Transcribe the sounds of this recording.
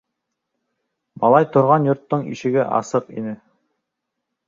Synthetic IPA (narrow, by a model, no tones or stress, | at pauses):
bɑlˠɑjt̪ŏɾʁɑnjŏɾt̪ːoɴḭʃɘ̆ɡɘʔɑ̰sɤqḭnɘ